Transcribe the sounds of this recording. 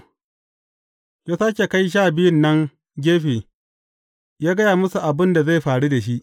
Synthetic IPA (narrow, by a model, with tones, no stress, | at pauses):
kaː˨saː˦kʲe˨ka˦jʃ̬aː˦˨bɪ˦jʊ˦˨nːɐ˦ŋ | ɡʲeː˦ɸiː˨ | jaː˦ɡɐ˦jaː˨mʊ˦su˨ʔa˨bɪ˦nda˨za˦˨jɸaː˨ɽu˦da˨ʃi˦ʔ